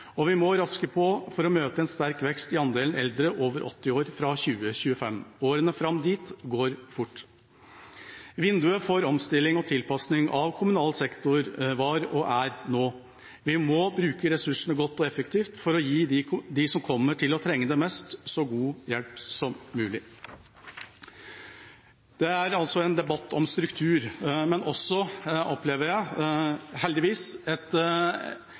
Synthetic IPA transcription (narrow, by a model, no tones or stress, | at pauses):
ɔʋɪmɔɾɑskəpʰɔfɔɾɔmøːt̪əɛnst̪æɾkʋɛkst̪ɪɑnd̪eːlnɛld̪ɾəʔoːʋəɾʔɔ̰t̪ːɪoːɾfɾɑçʉːəçʉːəfɛmːoːɾənəfɾɑmd̪iːt̪ɡoːɾfʊʈː | ʋɪnd̪ʉəfoɾɔmst̪ɪlːɪŋɔt̪ʰɪlpɑsnɪŋʔɑʋkʰʊmʉnɑːlsɛkt̪ʊɾʋɑːɾɔʔæɾnoː | ʋɪmɔbɾʉːkəɾɛsʉʂəɳəɡɔt̪ːɔɛfəkt̪ʰiːft̪fɔɾɔjiːd̪ɪsɔmkʰɔmːəʈʰɪlɔt̪ʰɾɛŋːəd̪ɛmɛst̪sɔɡuːjɛlpsɔmːʉːlɪ | d̪̥ɛæɾɑlsɔɛnd̪ɛbɑt̪ːɔmst̪ɾʉkt̪ʰʉːɾmɛnʔɔsːɔʔɔpleːʋəɾjæɪ | hɛld̪ɪʋiːsɛt̪